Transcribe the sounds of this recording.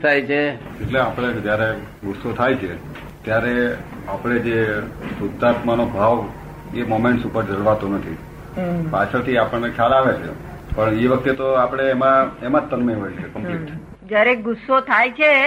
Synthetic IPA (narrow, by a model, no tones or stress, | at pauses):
t̪ʰajt͡ʃʰed͡ʒeʈleapɽ̃ed͡ʒjaɾe | ɡʊsːot̪ʰajt͡ʃʰe | t̪jaɾe | apɽ̃ed͡ʒesʊd̪ːat̪manobʱaʋ | emomeɳʈsupəɾd͡ʒəɽʋat̪onət̪ʰi | pat͡ʃʰət̪ʰiapəɳnekʰalaʋet͡ʃʰḛ | pəɳeʋək̚t̪et̪oapəɽ̃eːmãemãt̪ːənməjɦojt͡ʃʰekəmplekʈ | d͡ʒjaɾeɡʊsːot̪ʰajt͡ʃʰe